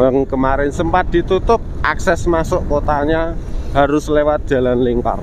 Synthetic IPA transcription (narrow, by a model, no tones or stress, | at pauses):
əŋkəmaɾɪnsəmpat̪̚d̪̥i̤t̪ut̪ʊp̚ʔaksɛsmasʊʔkot̪aɲahaɾʊslewat̪̚d̥ʒ̥ä̤lanliŋka̰r